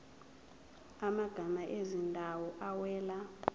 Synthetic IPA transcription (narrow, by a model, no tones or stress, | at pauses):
amaɡ̥ʱamaʔezindʱawɔʔawɛːla